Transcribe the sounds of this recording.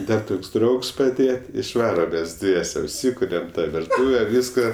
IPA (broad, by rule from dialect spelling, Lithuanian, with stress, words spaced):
ˈdɐr ˈtoːks ˈdrɐʊks pɐˈdʲeːjɛ ɪʃˈʋɑːrɐm mʲɛs ˈdʲʋʲiɛsʲɛ ʊʃʲˈsʲiːkʊrʲɛm tɐ ʋʲɪrˈtuːʋʲɛ ˈʋʲiːskɐ